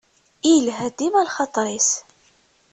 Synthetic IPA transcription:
ilɦæd̪imælχɑt̪ˤɾis

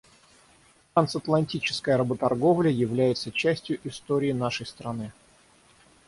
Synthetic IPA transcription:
t̪ɾansɐt̪lˠɐnʲtʲit͡ɕɪ̥skəjəɾəbət̪ɐrɡo̞vlʲɪəjɪvlʲæjɪt̪sət͡ɕæsʲtʲjʊʔɪst̪oɾʲɪːnaʂəjst̪ɾɐnɨ

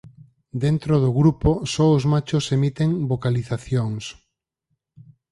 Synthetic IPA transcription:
d̪ent̪ɾoð̞oɣɾuposɔozmat͡ʃosemit̪eŋbokaliθaθjoŋs

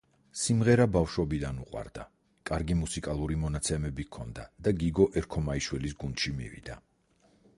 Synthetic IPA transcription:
simʁɛɾabafʃɔbid̪anuqʼwa̰ɾd̪a | kʼaɾɡimusikʼalˠuɾimɔnat̪sʰɛmɛbikʰɔnd̪ad̪̥aɡiɡɔʔɛɾkʰɔmaiʃwɛlisɡund̪ʃimḭvḭd̪̥a

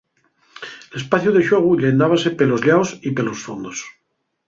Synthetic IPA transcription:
elespaθjuðeʃwoɣ̞uʎend̪aβasepelozʎaosipelosfond̪os

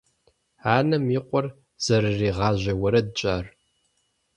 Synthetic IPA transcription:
aːnɐmiːqʷʼɔr | z̥ɐrɨriːʁɑːʑɐwɐɾɐdt͡ʃʼaːr

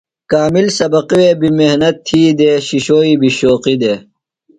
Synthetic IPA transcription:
kaːmilsɐbɐqiweːbimehnɐt̪ʰːiːd̪eːɕiɕoːiːbʱiɕoːqid̪eː

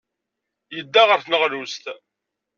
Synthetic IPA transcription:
jəd̪ːaʁəɾθnəʁlust̪

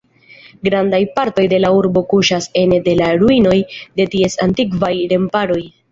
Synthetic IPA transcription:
ɡɾandajpaɾto̞jde̞lauɾbo̞kuʃase̞nede̞laɾuino̞jde̞tie̞santikvajɾe̞mpaɾo̞j

